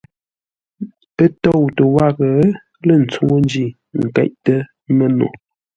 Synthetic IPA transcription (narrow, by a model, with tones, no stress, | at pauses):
ə˦to˦˨wtə˨wa˦˨ɣə˨˦ | lə˦˨n̩˨t͡su˦ŋo˦n˦d͡ʒi˦˨ | ŋ̩˨kɛ̰˦ʔtə˦ | mə˦˨no̰˨